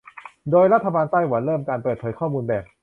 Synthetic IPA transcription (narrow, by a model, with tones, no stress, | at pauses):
doː˧jɾa˥t̪ʰːa˧baː˧nt̪a˥˩jwa˩˦nɾɤː˥˩mkaː˧npɤː˨˩t̪̚pʰɤː˩˦jkʰɔː˥˩muː˧nbɛː˨˩p̚